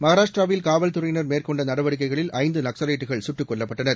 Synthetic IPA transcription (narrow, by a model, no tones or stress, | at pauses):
mɐɣaɾaːʂʈɾaːʋɪlkaːʋɐlt̪ʊɾɐjnɐɾmeːɾkɔɳɖɐnɐɽɐʋɐɽɪk̬ːɐɪɣɐɭɪlɐɪnd̪ɯnɐksɐɾeːʈːɯɣɐɭsʊʈːɯkːɔɭːɐpːɐʈːɐnɐɾ